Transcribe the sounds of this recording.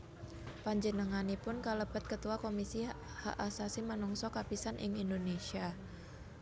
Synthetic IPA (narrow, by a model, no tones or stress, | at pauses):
paɲd͡ʒənəŋanipʊnkaləbət̪̚kət̪uakomisi | ha̰ʔasasimanɔŋsɔkapisanʔɪ̰ŋindonesia